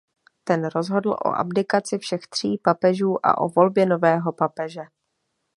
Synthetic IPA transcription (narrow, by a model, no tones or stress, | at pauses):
t̪ɛnɾo̞zɦo̞dl̩ʔo̞̰ʔa̰bdɪkat͡sɪfʃɛxt̪r̝̥iːpapɛʒuːʔa̰ʔo̞̰vo̞lbjɛno̞vɛːɦo̞papɛʒɛ